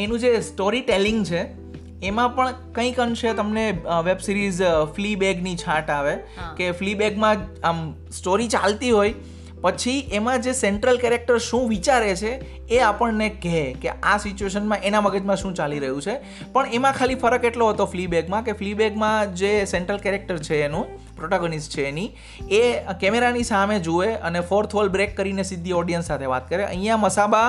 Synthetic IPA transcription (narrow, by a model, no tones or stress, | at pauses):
enũd͡ʒesʈoɾiʈeliŋɡt͡ʃʰeː | mãpəɳkə̃ĩkənʃet̪əmneʋebsiɾizflibeɡnit͡ʃʰãʈaʋe | keflibeɡmãm | sʈoɾit͡ʃalt̪iɦoj | pət͡ʃʰiemãd͡ʒeseɳʈɾəlkɛɾek̚ʈəɾʃũʋit͡ʃaɾet͡ʃʰeː | apəɳnekekeasit͡ʃueʃənmãʔenaməɡəd͡ʒmãʃũt͡ʃaliɾəɦũt͡ʃʰe | pəɳemãkʰalifəɾəkeʈloɦət̪oflibeɡmãkeflibeɡmãd͡ʒeseɳʈɾəlkɛɾek̚ʈəɾt͡ʃʰeːnũ | pɾoʈaɡənisʈt͡ʃʰeːni | ekemeɾanisamed͡ʒoʋeənefɔɾt̪ʰɦolbɾekːəɾinesid̪ʱːiɔɖijənsːat̪ʰeʋa̰t̪̚kəɾeʔə̰ɦĩjãməsaba